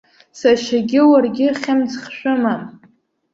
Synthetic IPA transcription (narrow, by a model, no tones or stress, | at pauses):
saʃaɡʲɪwarɡʲɪχʲamt͡sχʃʷᶣɨmam